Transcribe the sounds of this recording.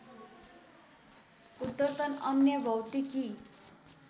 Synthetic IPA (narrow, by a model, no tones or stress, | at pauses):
ud̪ʌt̪ʌnʌnjʌbʱʌwt̪iki